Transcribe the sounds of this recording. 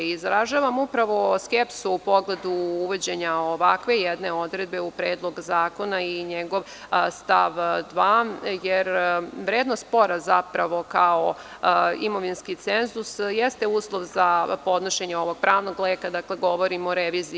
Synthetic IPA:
izɾaʒaːʋamupɾaʋo̞skepsuupo̞ɡle̞d̪uuʋed͡ʑeɲaoʋakʋe̞jed̪ne̞o̞d̪ɾed̪̚be̞upɾeːd̪lˠo̞ɡzaːko̞naiɲeɡo̞ʋ | st̪aʋd̪ʋajeɾʋɾeːd̪nost̪po̞ɾazapɾaʋo̞kao | imo̞ʋinskit̪senzusjest̪euːslˠo̞ʋzapo̞d̪noʃeɲeo̞ʋo̞ɡ̥̚pɾʔaːʋno̞ɡleːkad̪akle̞ɡo̞ʋo̞ɾimoɾeʋiːzi

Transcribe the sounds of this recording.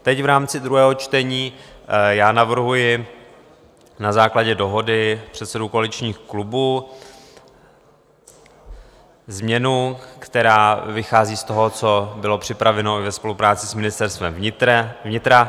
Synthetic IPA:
t̪ɛcvɾaːmt͡sɪd̪ɾuɦɛːɦo̞t͡ʃt̪ɛɲiːjaːnavr̩ɦujɪ | nazaːklaɟɛdo̞ɦo̞dɪpr̥ɛt̪sɛdukoalɪt͡ʃɲiːxklubuː | zmɲɛnukt̪ɛɾaːvɪxaːziːst̪o̞ɦo̞t͡so̞bɪlo̞pr̥ɪpɾavɛno̞ɪvɛspo̞lupɾaːt͡sɪsmɪnɪst̪ɛɾst̪vɛmvɪvɲɪt̪ɾa

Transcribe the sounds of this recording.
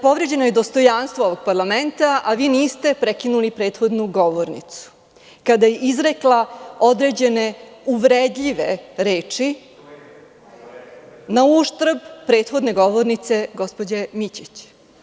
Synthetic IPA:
po̞ʋɾe̞d͡ʑe̞noje̞d̪o̞st̪o̞janst̪ʋooʋo̞ɡ̥̚paɾlˠament̪aʔaʋiːniːst̪e̞pɾekinulipɾeːt̪xo̞d̪nuɡo̞ʋoɾnḭt̪su̥ | kad̪ajeʔizɾe̞klˠao̞d̪ɾe̞d͡ʑe̞neuʋɾed̪ʎiʋe̞ɾe̞ːt͡ʂi | nauʃt̪ɾ̩bpɾe̞ːt̪xo̞d̪ne̞ɡo̞ʋoɾnit̪se̞ɡo̞spo̞d͡ʑemit͡ɕit͡ɕ

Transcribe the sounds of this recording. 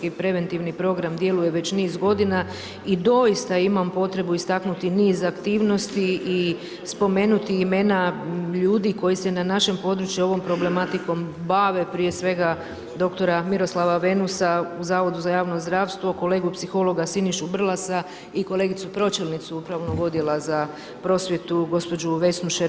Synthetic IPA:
ipɾe̞ʋe̞nt̪iʋnipɾo̞ɡɾamd̪je̞luje̞ʋe̞t͡ɕniːsɡo̞d̪ina | id̪o̞jist̪aimampo̞t̪ɾe̞buist̪aknut̪iniːzakt̪iːʋno̞st̪iː | spo̞me̞ːnut̪iime̞naʎuːd̪iko̞jisenanaʃe̞mpo̞d̪ɾut͡ʃjuo̞ʋo̞mpɾo̞ble̞mat̪iko̞mbaʋe̞pɾije̞sʋe̞ɡa | d̪o̞kt̪o̞ɾamiɾo̞slˠaʋaʋe̞nusauzaːʋo̞d̪uzajaːʋno̞zd̪ɾaːʋst̪ʋo̞ko̞le̞ːɡupsixo̞lˠo̞ɡasiniʃubr̩lˠasa | iko̞lˠe̞ːɡit̪supɾo̞t͡ʃelnit̪suupɾaʋonoɡo̞d̪jelˠaza | pɾo̞sʋje̞t̪uɡo̞spo̞d͡ʒuʋe̞snuʃe

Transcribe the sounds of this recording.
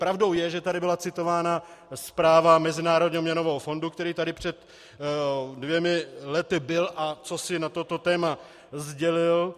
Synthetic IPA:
pɾavdo̞wjɛʒɛt̪adɪbɪlat͡sɪt̪o̞vaːnaspɾaːvamɛzɪnaːɾodɲiɦomɲɛnovɛɦofo̞nduk̚t̪ɛɾiːt̪adɪpr̝̥ɛt̪ | dvjɛmɪlɛt̪ɪbɪlʔat͡so̞sɪnat̪o̞t̪o̞t̪ɛːma | zɟɛlɪl

